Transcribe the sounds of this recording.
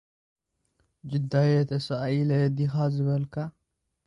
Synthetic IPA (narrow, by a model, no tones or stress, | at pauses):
d͡ʒɪd̪ajɛt̪ʰɐsajilɐd̪ixazɨβɐlkʰa